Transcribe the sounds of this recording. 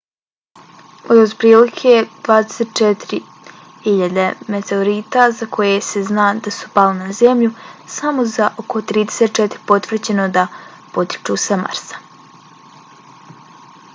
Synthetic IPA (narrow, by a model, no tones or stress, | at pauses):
od̪od̪pɾiːlikʰed̪ʋaːd̪eset̪̚t͡ʃet̪iɾi | hiʎad̪emet̪eoɾiːt̪azakʰo̞je̞seznaːd̪asu̥palinazemʎusamo̞zaʔokʰo̞t̪ɾiːd̪eset̪̚t͡ʃet̪iɾipo̞t̪ʋr̩d͡ʑe̞no̞d̪a | po̞t̪i̥t͡ʃuːsama̰ɾsḁ